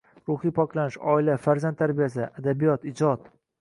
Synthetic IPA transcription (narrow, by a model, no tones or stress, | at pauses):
ɾʊhijpʰɒklanɪʃɒ̰ɪlafaɾzant̪ʰːaɾbijas̬ɪʔad̪abijɒt̪ɪd͡ʒɒt̪